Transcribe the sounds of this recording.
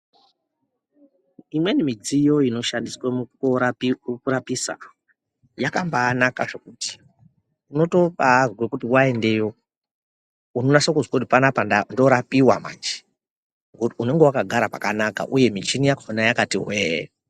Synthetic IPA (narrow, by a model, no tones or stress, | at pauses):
imwe̞nimid͡zijo̞ino̞ʃandiswa | kuɾapisa̰ | jakambaːnakaʐe̞kuti̥ | uno̞to̞parwekutiwae̞nde̞jo̞ | unonasokuzwakutipanapanando̞ɾapiwama̰nd͡ʒi̥ | ɡuune̞ŋɡe̞wakaɡʱaɾapa̰kanaka̰ʔuje̞mit͡ʃinijakanajakatiɦwe